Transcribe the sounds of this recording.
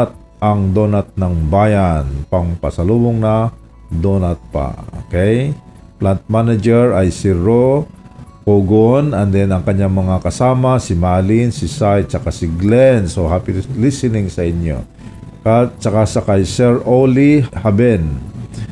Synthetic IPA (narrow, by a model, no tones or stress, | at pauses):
t̪̚ | ʔɐŋd̪oːnat̪̚nɐŋbajanpɐŋpɐ̰sɐluːboŋnɐ | d̪onɐt̪̚pa̰o̰kɛj | plant̪̚manad͡ʒɛɹajsɪɹo | koɡonɐnd̪ɛnɐŋkɐɲːaŋmɐŋakɐsaːmasɪmalinsɪsajt͡ʃɐkasɪɡlɛnsohapɪlɪsɪnɪŋsɐʔɪɲːo̰ | at̪̚t͡ʃɐkasɐkajsɛɹʔolihabɛn